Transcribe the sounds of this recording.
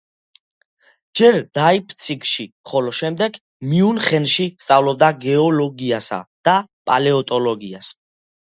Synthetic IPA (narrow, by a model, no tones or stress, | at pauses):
d͡ʒɛɾd̪ajpʰt̪sʰikʰʃiχɔlɔʃɛmd̪ɛɡ | miunχɛnʃist̪sʼavlɔb̚d̪aɡɛɔlɔɡiasa̰d̪̥apʼalɛɔt̪ʼɔlɔɡias